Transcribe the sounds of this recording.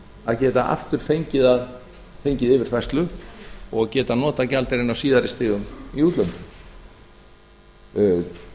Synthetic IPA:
aðcɛːt̪aʔa̰ft̪ʏɾ̥fejɲcɪðað | fejɲcɪðɪvɪɾ̥fajst̪lʏɔɣcɛːt̪anɔːt̪acalt̪ɪɾɪnawsiːðaɾɪst̪ɪːɣʏmiuːt̪lœpʏ

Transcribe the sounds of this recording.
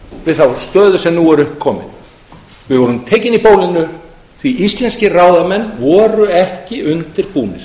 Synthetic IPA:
vɪðθawst̪œːðʏsɛmnuːɛɾʏhpkʰːɔːmɪ̰n | vɪðvɔɾʏmt̪ʰɛːjcɪnipoːwlɪnʏ | θviʔist̪lɛnscɪraːwðamɛnːvɔːɾʏɛhcɪʔʏnt̪ɪɾpuːnɪ̰ɾ̥

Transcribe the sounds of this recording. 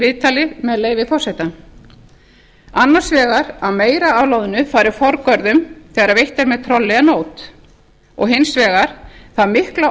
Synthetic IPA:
ɪðt̪ʰaːlɪmɛðleːjvɪfɔwrsɛt̪a | anːḁsvɛːɣaɾawmeːjɾaavlowðʏnʏfaːjɾɪfɔɾkœɾðʏmθɛːɣaɾaɾvejht̪ɛɾmɛðt̪ʰɾɔlːɛɣanoːwt̪ | ɔ̰ɣɦɪnsvɛːɣaɾ̥θaðmɪhkla

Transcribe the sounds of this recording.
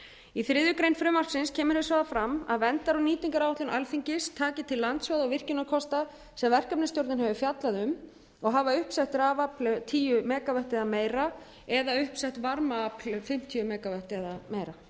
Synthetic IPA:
iθɾɪðʏkɾejnfɾʏmar̥ksɪnscʰɛːmʏɾhʏsvaːðafɾama̰ðvɛnt̪aɾaniːt̪iŋkaɾawaht̪lʏnʔalfiɲcɪst̪ʰaːcɪt̪ʰɪlːant̪svœðɔvɪr̥cɪnːakʰɔst̪a | sɛmvɛr̥kapnɪsowɾt̪nhɛvʏfjat̪laðʏm | ɔɣɦaːvaʏhpsɛht̪ɾaːvaplʏt̪ʰiːjʏmɛːkavɛht̪ɛðameːjɾa | ɛðaʏhpsɛht̪vaɾmaaplʏfɪm̥t̪ʰiʏmɛːkavɛht̪ɛðameːjɾa

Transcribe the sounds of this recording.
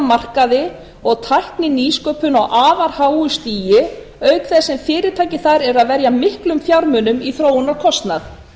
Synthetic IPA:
mar̥kaðɪ | ɔɣt̪ʰajhknɪniːskœpʏnawʔaːvaɾ̥haːwʏst̪iːjɪ | œɥkθɛsɛmfɪːɾɪ̥t̪ʰaːjcɪθaɾɛɾaðvɛɾjamɪhklʏmfjawɾmʏnʏmiθɾoːwʏnawkʰɔst̪naθ

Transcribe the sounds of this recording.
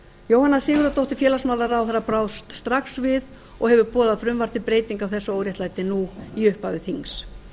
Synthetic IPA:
joːwhanːasɪːɣʏɾat̪owht̪ɪ̥fjɛːlasmaːwlaɾawθaɾapɾaːwst̪st̪ɾaxsvɪð | ɔɣhɛvʏɾpɔːðafɾʏmvar̥t̪ɪpɾeːjt̪iŋkawθɛsːʏoːwɾjɛht̪lajt̪ɪnuiʏhpavɪθiŋs

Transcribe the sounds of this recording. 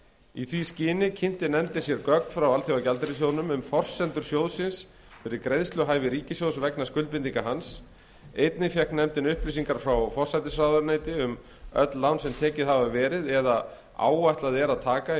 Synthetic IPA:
iθviscɪːnɪcʰɪn̥t̪ɪnɛmt̪ɪsjɛɾkœk̚n̥fɾawalθjaacalt̪ɪɾɪsjownʏmʏmfɔr̥sɛnt̪ʏɾ̥sjoːwðsɪns | fɪɾɪɾkɾeðst̪lʏɦaːjvɪɾiːcɪsjowsvɛknaskʏlpɪnt̪iŋkaɦans | ejt̪nɪfjɛhknɛmt̪ɪnʏhpliːs̬iŋkaɾ̥fɾawfɔr̥sajt̪ɪsraðaɾnaːjt̪ɪʏm | œ̰t̪llawnsɛmt̪ʰɛːcɪðhavavɛːɾɪðɛða | a̰ːwajht̪laðɛɾaðt̪ʰaːka

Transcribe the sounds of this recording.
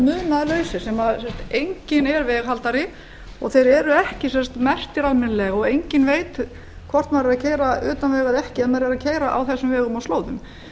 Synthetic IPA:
mʏðnaðlœɥsɪsɛmaðsɛnst̪ejɲcɪnɛɾvɛːɣɦalt̪aɾɪ | ɔɣθejɾɛɾʏɛhcɪsɛnst̪mɛr̥t̪ɪɾalmɪnlɛɣɔɣejɲcɪnveːjt̪ | kʰvɔr̥t̪maɾɪɾacʰeːjɾaʏːt̪anlɛːɣaðɛhcɪɛðmaɾɪɾaðcʰeːjɾaʔa̰wθɛsːʏmvɛːɣʏmawloːwðʏm

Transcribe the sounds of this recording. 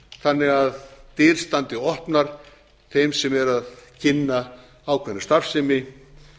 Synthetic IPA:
θanːɪɣaðt̪iɾ̥st̪ant̪ɪɔhpnaɾ̥ | θejmsɛmɛɾaðcʰɪnːa | aːwkʰvɛnːɪst̪afsɪmɪ

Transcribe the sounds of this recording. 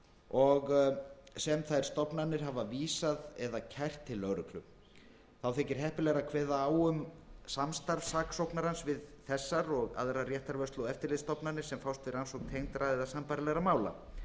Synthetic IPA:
ɔɣ | sɛmθajɾ̥st̪ɔpnanːɪɾ̥ɦavaviːsaðɛðacʰajr̥t̪ʰːɪlːœwɾʏklʏ̰m | θawθɛːcɪɾ̥ɦɛhpɪlɛɣɾakʰvɛːðaaːwʏmsamst̪aɾfsaːksowpnaɾansvɪðθɛsːaɾɔɣa̰ðɾarjɛht̪aɾvœst̪lɔwɛft̪ɪɾlɪðst̪ɔpnanɪ̥sɛmfawst̪vɪɾansowknt̪ʰejŋt̪ɾaɛðasampajɾlɛɣɾamaːwla̰

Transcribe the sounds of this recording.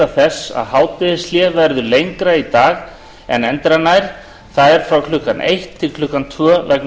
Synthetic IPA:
aθɛsa̰ðɦaːwt̪ɪðɪsljɛːvɛɾðʏlejŋkɾait̪aːɣ | ɛ̰nɛnt̪ɾanaːjɾ̥ | θaðɛɾ̥fɾawkʰlʏkːanʔḛjht̪ʰːɪlkʰlʏkːant̪ʰvœːvɛk̚n

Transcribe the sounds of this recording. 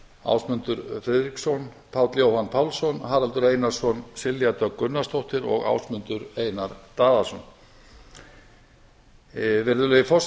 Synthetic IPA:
a̰wsmʏnt̪ʏɾfɾɛðɾiksɔn | pʰaːwt̪ljowhanpʰaːwlsɔnɦaːɾalt̪ʏɾejnḁsɔnsɪljat̪œkʏnːast̪owht̪ɪɾɔ̰ɣa̰ːwsmʏnt̪ʏɾeːjnaɾt̪aːðasɔn | vɛɾðʏlejɪfɔs

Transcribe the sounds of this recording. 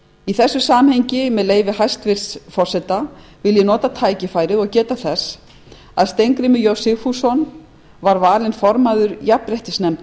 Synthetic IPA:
iθɛsːʏsaːmhejɲcɪmɛðleːjvɪɦajst̪vɪɾ̥sfɔr̥sɛt̪avɪljɪnɔːt̪at̪ʰaːjcɪfaːjɾɪðɔɣcɛːt̪aθɛs | aðst̪ejŋkɾɪmʏjowsɪfusɔn | vaɾvaːlɪnfɔɾmaðʏɾjapɾɛht̪ɪsnɛm

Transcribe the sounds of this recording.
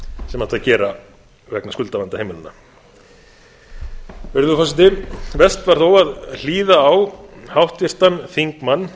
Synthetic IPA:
sɛmat̪θaðcɛːɾa | vɛknaskʏlt̪aant̪ahejmʏnɪnːa̰ | vɪɾðʏfɔsɪnt̪ɪnvɛst̪vaɾ̥θowaðl̥iːðaːwhawht̪vjɪr̥t̪anθiŋkmanː

